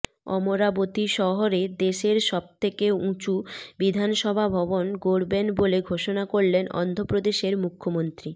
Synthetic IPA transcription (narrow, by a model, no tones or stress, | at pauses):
ɔ̰moɾabot̪iʃɔɦoɾed̪eʃeɾʃɔb̚t̪ʰekeũt͡ɕubid̪ʱanʃɔbʱabʱɔbonɡoɾbenboleɡʱoʃonakoɽlenɔ̰nd̪ʱopɾod̪eʃeɾmukʰːomont̪ɾi